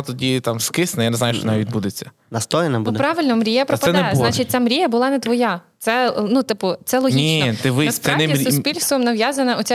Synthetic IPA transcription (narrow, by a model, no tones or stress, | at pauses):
t̪ɔdʲit̪ɑmskɪsnɐjaneznɑjuʃt͡ʃɔʋɔnaʋʲid̪bud̪et͡sʲːɐ | nɐst̪ɔjenɐbud̪pɾɑʋɪlʲnɔmɾʲijɐpɾɔpɐsɛnɛznat͡ʃit̚ʲt͡sʲamɾʲijɐbʊlˠɑnɛt̪ʋɔjat̪sɛnut̪ɪpʊt̪sɛlˠɔɦniit̪ɪʋɪsɛnɛisʊspʲilʲst̪ʋɔmnɐʋjazɐnɐʔɔt͡sʲɛ